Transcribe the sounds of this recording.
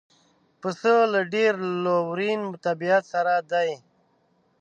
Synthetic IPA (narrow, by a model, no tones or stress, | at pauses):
pəsəlaɖeɾlowɾinmt̪abiat̪saɾad̪aj